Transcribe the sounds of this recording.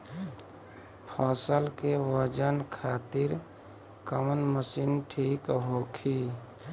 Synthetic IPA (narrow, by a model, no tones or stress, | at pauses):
pʰɔːsəlkewəd͡ʒənkʰaːt̪ɪɾ | kəmənməsiːnʈʰiːkɦoːkʰi